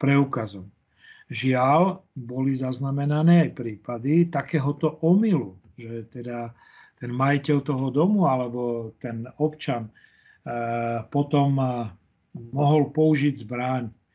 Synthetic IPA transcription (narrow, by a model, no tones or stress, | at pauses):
pɾɛukazɔm | ʒɪalbɔlizaznamɛnanɛːajpɾiːpad̪it̪akɛːɦɔt̪ɔʔɔmilu | ʒɛt̪ɛd̪a | t̪ɛnmajicɛlt̪ɔɦɔd̪ɔmualɛbɔt̪ɛnɔpt͡ʃan | pɔt̪ɔm | mɔɦɔlpɔuʒiɟzbɾaɲ